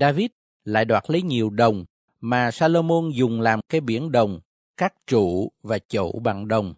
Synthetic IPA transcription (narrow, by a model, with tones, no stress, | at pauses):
ɗaː˧vi˦˥t̚ | la̰ː˧˨jɗwaː˨˩t̚lə˨˦jɲi˨˩əwɗə˨˩wŋ͡m | maː˨˩saː˧lo˧mo˧nzʊ˨˩ŋ͡mlaː˨˩mkaː˨˦jɓi˧˩˦ənɗə˨˩wŋ͡m | kaː˦˥k̚t͡ɕṵ˧˨vaː˨˩t͡ɕo̰˧˨ɓa˨˩ŋɗə˨˩wŋ͡m